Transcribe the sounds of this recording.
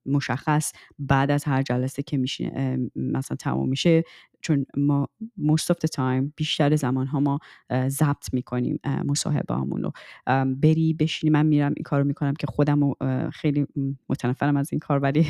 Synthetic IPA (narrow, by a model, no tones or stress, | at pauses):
mo̞ʃæxːæsbæːd̪æzhæɾd͡ʒælæsecʰe̞miʃḭmæsælænt̪ʰæ̰mṵmːiʃe | t͡ʃʰonmɒːmost̪ɔfd̪et̪ʰɑjmb̥iːʃt̪æɾezæmɒːnɦɒːmɒːzæb̚t̪ʰmiːkʰo̞nḭmmo̞sɒ̰ːɦḛb̰ɒ̰mṵno̰be̞ɾiːbe̞ʃiniːmænmiːɾæmʔḭnkʰɒːɾomiːkʰonæmcʲʰe̞xod̪æmoxe̞jlimot̪ʰænæfːæɾæmæzinkʰɒːɾvæli